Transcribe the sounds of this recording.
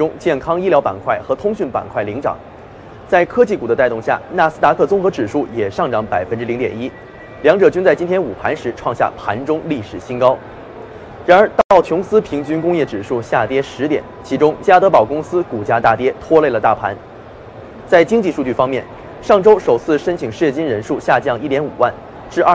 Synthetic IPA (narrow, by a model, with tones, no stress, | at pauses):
ʈ͡ʂʊ˥ŋt͡ɕjɛ˥˩nkʰɑ˥ŋi˥ljɑ˧˥ʊpa̰˨˩nkʰwa˥˩ɪxɤ˧˥t̪ʰʊ˥ŋɕy˥˩npa̰˨˩nkʰwa˥˩ɪli˧˥ŋʈ͡ʂɑ̰˨˩˦ŋ | t͡sa˥˧˩ɪkʰɤ˥t͡ɕi˥˩ku˨˩d̪ə˦t̪a˥˧ɪt̪ʊ˥˧ŋɕja̰˥˩na˥˩sɹ̩˥t̪a˧˥kʰɤ˥˩t͡sʊ˥ŋxɤ˧˥ʈ͡ʂɻ̩˨˩ʂu˥˩jɛ˨˩ʂɑ˥˩ŋʈ͡ʂɑ˧˥ŋpa˨˩ɪfə˥nʈ͡ʂɻ̩˥li˧˥ŋt̪jɛ˨˩ni˥ | ljɑ˧˥ŋʈ͡ʂɤ˨˩t͡ɕy˥nt͡sa˥˩ɪt͡ɕi˥nt̪ʰjɛ˥nu˨˩pʰa˧˥nʂɻ̩˧˥ʈ͡ʂʰwɑ˥˧ŋɕja̰˥˩pʰa̰˧˥nʈ͡ʂʊ˥ŋli˥˩ʂɻ̩˨˩ɕi˥nkɑ˥ʊ | ɻa˧˥nə˞˧˥t̪ɑ˥˧t̪ɑ˥˩ʊt͡ɕʰjʊ˧˥ŋsɹ̩˥pʰi˧˥ŋt͡ɕy˥nkʊ˥ŋjɛ˥˩ʈ͡ʂɻ̩˨˩ʂu˥˧ɕja˥˩t̪jɛ˥ʂɻ̩˧˥t̪jɛ̰˨˩˦nt͡ɕʰi˧˥ʈ͡ʂʊ˥ŋt͡ɕja˥t̪ɤ˧˥pɑ˨˩ʊkʊ˥ŋsɹ̩˥ku˨˩t͡ɕja˥t̪a˥˩t̪jɛ˥t̪ʰwɔ˥le˥˩ɪlə˩t̪a˥˩pʰa̰˧˥n | t͡sa˥˩ɪt͡ɕi˥ŋt͡ɕi˥˧ʂu˥˧t͡ɕy˥˩fɑ˥ŋmjɛ˥˩n | ʂɑ˥˩ŋʈ͡ʂo˥ʊʂo˨˩ʊt͡sʰɹ̩˥˩ʂə˥nt͡ɕʰi˨˩ŋʂɻ̩˥˩jɛ˥˧˩t͡ɕi˥nɻə˧˥nʂu˥˧ɕja˥˧t͡ɕjɑ˥˧ŋi˥˩t̪jɛ˧˥nṵ˨˩wa˥˩n | ʈ͡ʂɻ̩˥˧a˥˩